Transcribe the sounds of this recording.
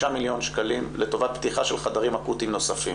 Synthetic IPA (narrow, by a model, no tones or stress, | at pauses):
amiljo̞nʃkalimlet̪o̞vat̪̚pt̪iχaʃelχad̪aʁimakut̪imno̞safim